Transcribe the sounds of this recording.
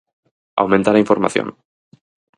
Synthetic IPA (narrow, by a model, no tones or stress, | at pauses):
a̰wmẽnt̪alaĩɱfoɾma̰θjo̰ŋ